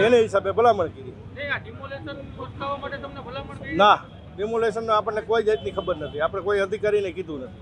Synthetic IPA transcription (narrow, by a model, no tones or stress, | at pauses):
eneɦɪsabebəlaməɳkiɾi | olenoaaʈt̪əmlana | ɖɪmuleʃənːũapəɳːekoid͡ʒəit̪nikʰəbəɾnət̪ʰiapəɽ̃ekoiɦəd̪ʱikaɾinekid̪ʱũnət̪i